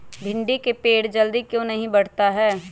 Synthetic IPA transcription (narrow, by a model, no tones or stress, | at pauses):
b̪ʱɪ̃ɳɖikepeːɽd͡ʒəld̪ikjõːnɐɦĩbɐɽ̤t̪aɦɛː